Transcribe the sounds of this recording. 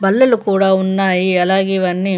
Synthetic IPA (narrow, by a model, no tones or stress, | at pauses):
bɐlːɐlukuːɽaunːɐiːɐlaːɡiʋɐnːi